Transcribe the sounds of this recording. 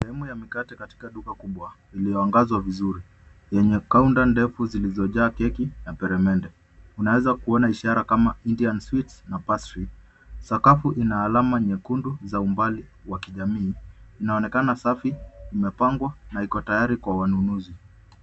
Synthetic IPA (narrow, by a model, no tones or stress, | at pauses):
sɛhɛmujamikatɛkati̥kaɗukakuɓwa | ilijɔaŋɡazwavizuɾi | jɛɲɛkaundandɛfuzilizɔʄaːkɛkinapɛɾɛmɛndɛ | unawɛzakuɔnaiʃaɾakamaindianswitsnapasɾi | sakafuʔinaːlamaɲɛkunduzaumbaliwakiʄamiːnaɔnɛkanasafiimɛpaŋɡwanaikɔtajaɾikwawanunuzi